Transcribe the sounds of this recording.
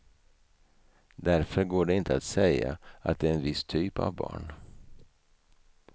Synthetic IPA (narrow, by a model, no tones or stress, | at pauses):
d̪æɾfœɾɡoːɖɛɪnt̪əat̪sɛjːa̰ʔa̰t̪̚d̪ɛɛnvɪst̪ʰyːpa̰vbɑ̰ːɳ